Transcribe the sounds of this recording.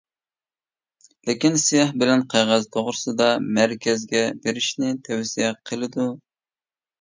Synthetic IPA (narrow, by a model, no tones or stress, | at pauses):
lekʲinsijɑhbɪlɛnqʰɑjʁæzt̪ʰoʁɾɨsɨd̪ɑmæɾkʲɛzɡʲɛbeɾɪʃnɪt̪ʰɛwsijɛqʰəlˠɨd̪u